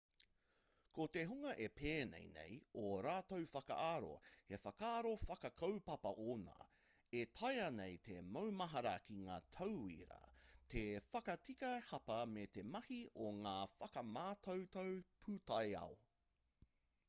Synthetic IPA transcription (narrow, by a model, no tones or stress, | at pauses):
kʰot̪eɦuŋɐʔepʰeːnḛjnḛjoɾaːtowfɐkɐ̰ʔaːɾo̞̰hefɐkaːɾofɐkɐkʰɐwpɐpɐʔoːna̰ː | etʰɐjɐnejt̪ʰemɐwmɐɦɐɾɐkʰiŋa̰ːt̪ʰɐwḭɾɐ̰t̪ʰefɐkɐtikɐhɐpɐmet̪e̞mɐhiʔoŋaːfɐkɐmaːtʰowtowpʰuːtɐjɐ̰o